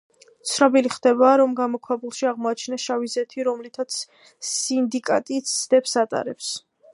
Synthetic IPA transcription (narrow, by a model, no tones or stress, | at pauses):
t̪sʰnɔbiliχd̪̥ɛbaːɾɔmɡamɔkʰwabulˠʃiaʁmɔat͡ʃʰnaʃavizɛt̪ʰiɾɔmlit̪ʰat̪sʰː | ind̪ikʼat̪ʼit̪sʰd̪̥ɛpsat̪ʼa̰ɾɛps